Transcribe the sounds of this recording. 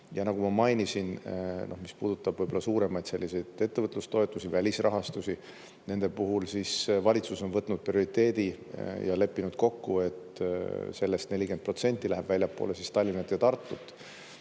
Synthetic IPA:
jɑnɑɡ̥umɑmɑjnisinnʔo̞hmispuːd̪̥ut̪ːˑɑb̥vɤjbolːɑsuːɾe̞mɑjd̪̥se̞lʲːise̞jd̪̥e̞t̪ːevɤt̪ːˑlust̪o̞et̪ˑːusivælʲisrɑɦɑst̪usi | ne̞nd̪̥e̞puɦulsisvɑlʲit̪suso̞nvɤt̪ːˑnud̪̥̚prio̞ɾit̪ːe̞ːd̪̥i | jɑ̰le̞pːinud̪̥̚ko̞kːue̞t̪se̞lːe̞st̪ne̞lʲike̞nd̪̚pro̞t̪se̞nʲt̪ʲːˑilæɦeb̥vælʲjɑpːˑo̰ːlesist̪ɑlʲːinɑt̪ːjɑt̪ɑrt̪ˑːut̪ˑː

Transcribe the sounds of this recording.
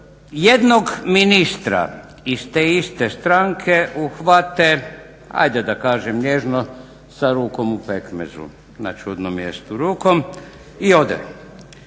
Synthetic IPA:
jed̪noɡminist̪ɾa̰ | ist̪eːist̪est̪ɾaŋkʰe̞ʔuxʋat̪e | a̰jd̪ed̪akaːʒemleʒno | saɾuːko̞mupekmḛzṵ | na̰t͡ʃud̪nomːjḛst̪uɾuːko̞m | io̞d̪ɛ̰

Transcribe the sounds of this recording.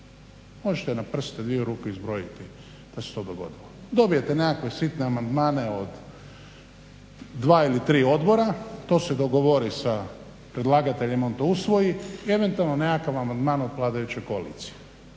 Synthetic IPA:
mo̞ʒet̪enapr̩st̪ed̪ʋiuɾuːkeizbɾojit̪i | d̪̥ase̥t̪o̞ːd̪oɡo̞̰d̪ilo | d̪o̞bije̞t̪ene̞kakʋe̞sit̪neamand̪maːne̞o̞d̪ | ʋaːilit̪ɾiːo̞d̪bo̞ɾat̪o̞ːsed̪oɡoʋoɾisa | pɾed̪laːɡat̪eʎemo̞nt̪ousʋo̞jiie̞ʋe̞nt̪ualˠnoneakaʋamand̪maːno̞d̪plˠaːd̪ajut͡ɕo̞jkoalḭːt̪si̥je

